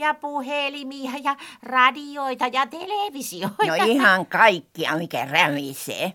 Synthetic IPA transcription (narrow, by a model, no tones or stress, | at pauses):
jɑpuhelimiɑjɑrɑdioit̪ɑjɑt̪eleˑʋisioinoɑihɑŋkɑikːiɑ̰mikæ̰ræʋisḛː